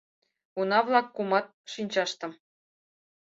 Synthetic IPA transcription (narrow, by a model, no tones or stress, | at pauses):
unɑvlˠɑkːumɑt̪̚ʃinʲt͡ɕɑʃt̪ɤ̆m